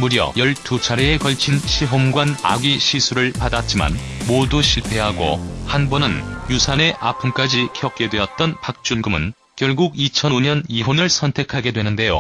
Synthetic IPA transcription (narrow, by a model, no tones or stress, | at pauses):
muɾjʌ̰jʌɭtut͡ɕʰaɾeekʌɭt͡ɕʰinɕʰiɦomɡwana̰ɡiɕʰisʰuɾɯɭpadat̚t͡ɕ͈ima̰nmoduɕʰiɭpʰe̞ɦaɡo̰hanbʌnɯnjusʰane̞ʔapʰɯmk͈ad͡ʑikʰjʌk̚k͈e̞dwe̞ʌt̚t͈ʌnpak̚t͡ɕ͈unɡɯmɯn | kjʌɭɡuɡit͡ɕʰʌnoɲʌniɦonɯɭsʰʌntʰe̞kʰaɡe̞dwe̞nɯnde̞jo̰